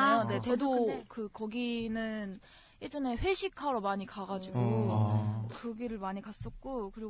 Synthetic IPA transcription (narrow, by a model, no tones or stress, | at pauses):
ane̞tedokɯkʌɡinɯn | iɭd͡ʑʌne̞ɸwe̞ɕʰikʰaɾomaɲikaɡad͡ʑiɡo | kɯɡiɾɯɭmaɲikas͈ʌk̚k͈okɯɾi